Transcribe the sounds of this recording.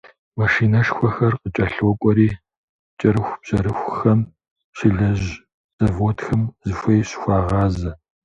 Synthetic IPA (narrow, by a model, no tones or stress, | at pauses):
mɐʃiːnɐʂxʷɐxɐrqət͡ʃʼɐɬwɔkʷʼɔɾiː | t͡ʃʼɐɾɨxʷb̥ʑ̥ɐɾɨxʷxɐm | ɕɪɮɐʑ | z̥ɐvoːtʰxɐmzɨfʷɐjɕxʷɑːʁɑːzɐ